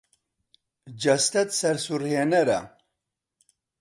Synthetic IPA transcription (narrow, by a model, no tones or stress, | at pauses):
d͡ʒɐst̪ɐt̪sɐɾsuɾhenɐɾɐ̰